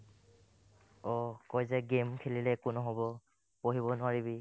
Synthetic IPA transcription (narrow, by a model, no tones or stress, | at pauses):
ɔkɔjzɛɡemkʰelilɛkʊnʊɦobɔ | poɦiβɔnʊaɹibi